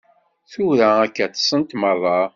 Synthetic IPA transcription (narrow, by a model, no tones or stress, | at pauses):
θuɾæækːæt͡s̪ːsənt̪mərˤːɑ